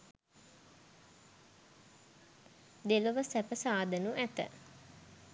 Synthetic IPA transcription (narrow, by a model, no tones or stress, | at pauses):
d̪eləʋəsæpəsaːd̪ənuʔæt̪ə̰